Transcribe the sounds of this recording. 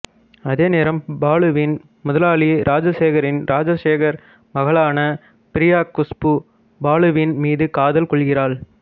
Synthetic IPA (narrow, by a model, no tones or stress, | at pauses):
ɐðeːneːɾɐmbaːɭɯʋɪn | mʊðɐlaːɭiɾʔaːd͡ʒɐseːɣɐɾɪnɾʔaːd͡ʒɐseːɣɐɾ | mɐɣɐɭaːnɐ | pɪɾɪjaːkːʊspɯ | baːɭɯʋinmiːðɯkaːðɐlkɔɭɣɪraːɭ